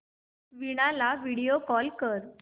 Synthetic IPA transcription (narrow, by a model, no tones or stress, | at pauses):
ʋiɽ̃alaʋiɽijokɔlkəɾ